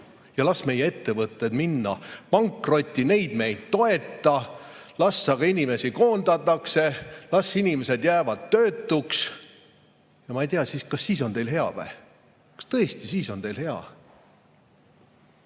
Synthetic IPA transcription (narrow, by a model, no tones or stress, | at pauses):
jɑlɑsme̞jːee̞t̪ːe̞vɤt̪ːˑe̞d̪minːɑpɑŋkro̞t̪ʲːˑine̞jd̪̥me̞jd̪̥̚t̪o̞e̞t̪ːˑɑ | lɑsːɑɡ̥ɑinʲime̞siko̞ːnd̪̥ɑt̪ːˑɑkse̞lɑsːinʲime̞se̞d̪jæːvɑd̪̥̚t̪ø̞ːt̪ːˑuks | jɑmɑejt̪iɑsiːskɑsːiːso̞nt̪e̞jlɦe̞ɑ̰væ̰ | kɑ̥st̪ɤ̞est̪isiːso̞nt̪e̞jlhe̞ɑ̰